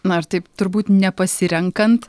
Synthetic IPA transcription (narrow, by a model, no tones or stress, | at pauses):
nʊɐɾt̪ɐɪpt̪ʊɾbuːt̪nʲɛpɐsʲɪɾʲɛŋkɐnt̪